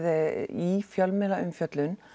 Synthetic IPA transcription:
ðɪifjalmɛːlaʔʏmfjœt̪lʏn

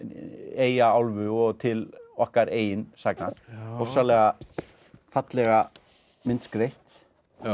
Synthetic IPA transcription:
eːjaawlvʏɔɣt̪ʰɪlɔhkaɾeːjɪnsaknaɔsalɛɣa | fat̪lɛɣa | mɪnskɾejht̪

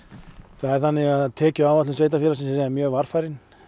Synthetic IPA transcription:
θaðɛɾ̥θanːɪɣaðt̪ʰɛːcʏaːwvat̪lʏnsveːjt̪afɪɾasɪmssɛamjœːɣvaɾ̥fajɾɪn

